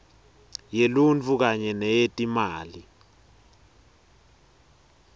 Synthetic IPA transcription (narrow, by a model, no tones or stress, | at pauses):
jelunt͡fʰuk̬aɲɛnɛjetʼimaːli